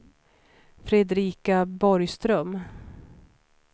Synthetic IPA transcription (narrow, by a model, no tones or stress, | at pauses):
fɾɛd̪ɾiːkabɔɾjst̪ɾœm